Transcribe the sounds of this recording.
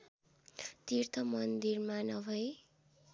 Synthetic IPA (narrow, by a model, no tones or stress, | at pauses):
t̪irt̪ʰʌmʌnd̪irmanʌbʱʌj